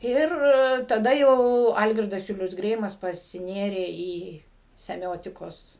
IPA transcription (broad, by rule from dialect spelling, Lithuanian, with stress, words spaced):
ˈɪr tɐˈdɐ jɛʊ ˈɐlʲɡʲɪrdɐs ˈjʊlʲʊs ˈɡrʲɛɪmɐs pɐsʲɪˈnʲeːrʲeː iː sʲɛˈmʲoːtʲɪkoːs